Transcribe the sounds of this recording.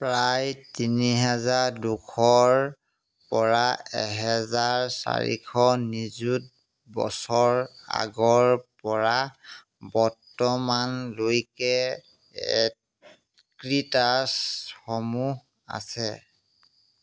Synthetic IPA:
pɹajtiniɦɛzaɹdukʰɔɹ | pɔɹaɛ̰ɦɛzaɹsa̰ɹḭkʰɔnizut̚ | bɔ̰sɔɹa̰ɡɔɹpɔɹa | bɔɹtɔmanlojkɛ | ɛ | kɹitasxɔmuh | a̰sɛ

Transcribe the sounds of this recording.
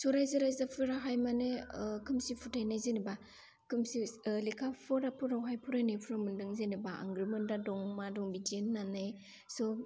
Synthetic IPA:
sɔɾajzɯɾajzapʰɯɾaɦajmanekʰɯmsipʰutajnajzeniba | kʰɯmsilekʰapʰɔɾapʰuɾawɦajpʰuɾanepʰuɾamɯndɯŋzenibaa̰ŋɡɾimɯndadɔŋmadɔŋbidinːanaj | sɔ

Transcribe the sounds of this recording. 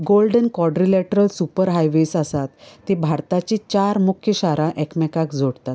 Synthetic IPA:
ɡolɖənkwɔɖɾilɛʈɾəlsupəɾɦajʋesasat̪ːebʱaɾt̪at͡ɕit͡ɕaɾmukʰjəɕaɾaʔɛkmɛkakd͡zʱoɽt̪at̪

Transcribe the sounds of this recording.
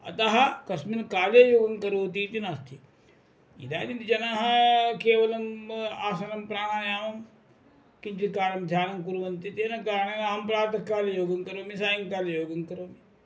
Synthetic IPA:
ɐ̰t̪aɦɐkɐsminkaːleːjoːɡɐnkɐɾoːt̪̬iːt̪inast̪ʰi | ḭd̪a̰ːd̪int̪d͡ʒɐnaːɦɐkeːʋɐlɐmaːsɐnɐmpɾaːɽaːnjaːʋɐm | kint͡ʃikaːɾɐmd̪ʱjaːnɐmkuɾʋɐnt̪it̪eːnɐkaːɾɳenaɦɐmpɾaːt̪ɐkːaːlejoːɡɐnkɐɾoːmisaːjɐŋkaːlejoːɡɐnkɐɾoːmi

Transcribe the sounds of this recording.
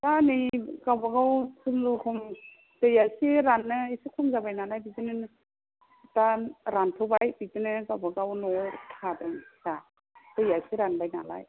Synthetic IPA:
tanɯjɡawbaɡawsʰɯmzukʰɔm | tɯjasiɾanːɯisikʰɔmzabajnalajbizɯnɯ | taɾantʰɔbajbizɯnɯɡawbaɡawnɔtʰadɯŋsa | tɯjasiɾanbajna̰la̰j

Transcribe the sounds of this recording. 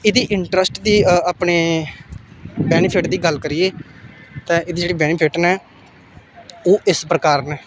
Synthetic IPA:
ɪd̪iːʔɪɳʈɾəsʈd̪iːaːpneː | bɛːnpʰɪʈd̪iːɡəlkəɾieːt̪ɛ̃ːʔɪd̪iːd͡ʒeːɽiːbɛːnɪpʰɪʈnɛː | oːʔɪspɾəkaːɾnɛː

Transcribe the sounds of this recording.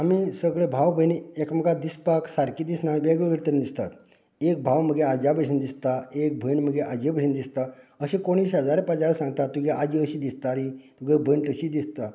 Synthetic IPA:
amisəɡɭebʱawbʱəniekməɡad̪ispaksaɾkiːd̪isnabeɡʋəɡʱəɽt̪əɾind̪ist̪at̪ | ek̚bʱawməɡʱead͡ʑabəd͡ʑʱind̪ist̪aek̚bʱəɳməɡʱeʔad͡ʑebəɕind̪ist̪aəɕẽkoɽ̃isɦəd͡zaɾepad͡ʑaɭəsãŋɡt̪at̪ːuɡɛʔad͡ʑiəɕiːd̪ist̪aɾit̪uɡebʱəɳʈəɕiːd̪ist̪a

